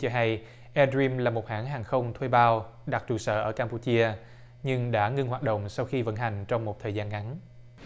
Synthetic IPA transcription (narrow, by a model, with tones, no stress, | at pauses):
t͡ɕɔ˧ɦa˧j | ʔɛ˧dɹi˧mlaː˨˩mo˨˩t̚haː˧˥ŋɦaː˨˩ŋxə˧wŋ͡mt̪ʰwe˧jɓaː˧wɗa˨˩t̚t͡ɕu˨˩sə̰ː˧˩ʔəː˧˩kaː˧mpu˧t͡ɕi˧ə | ɲɨ˧ŋɗa̰ː˧˥ŋɨ˧ŋɦwaː˨˩t̚ɗə̰˧˨wŋ͡msa˧wxi˧və̰˧˥nɦa˨˩jŋ̟t͡ɕɔ˧wŋ͡mmo˨˩t̚t̪ʰəː˨˩jzaː˧nŋa˨˦n